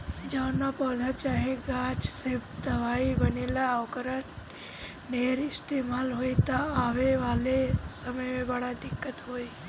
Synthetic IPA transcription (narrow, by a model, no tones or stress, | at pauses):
d͡ʒaːnapɔːd̪ʱat͡ʃaːɦeɡaːt͡ʃsebd̪əʋaːibəneːlaokɾa | neːɾɪst̪eːmaːlɦoːit̪aaːʋeʋaːlesəməjmẽbəɽad̪ɪkːət̪ɦoːi